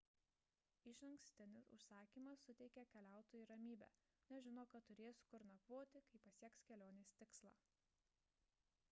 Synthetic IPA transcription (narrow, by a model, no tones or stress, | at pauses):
ɪʃɐŋksʲt̪ʲɪnʲɪsʊ̰ʃsɑːkʲiːmɐsːʊt̪ʲɛɪkʲɛkʲɛlʲæˑʊt̪oːjuiːɾɐmʲiːbʲæ̰ː | nʲɛʒʲɪnoːkɐtt̪ːʊɾʲeːskʊɾnɐkʋoːt̪ʲɪkɐɪpɐsʲiɛkskʲɛlʲoːnʲeːsʲt̪ʲɪkslˠɑ̰ː